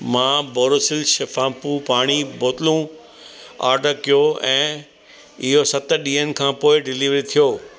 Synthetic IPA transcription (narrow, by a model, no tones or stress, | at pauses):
mãːboːɾosɪlʃɐfãːpupaːɽ̃iboːt̪ɪlũ | a̰ːɾɖʱəkijoɛ̃ː | ɪɦosɐt̪ɗiːənɪ̆kʰãːpoːɪɖɪliːʋɾit̪ʰijoː